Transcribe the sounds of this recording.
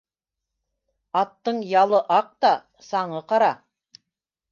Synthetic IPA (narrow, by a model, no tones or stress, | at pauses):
ɑt̪ːɤɴjɑlˠɤʔɑq̚t̪ɑ | sɑɴɤqɑɾɑ